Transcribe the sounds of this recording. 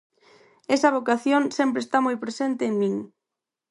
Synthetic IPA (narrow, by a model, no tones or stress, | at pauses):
esɐβokaθjonsempɾest̪amojpɾesent̪ɪːŋmĩŋ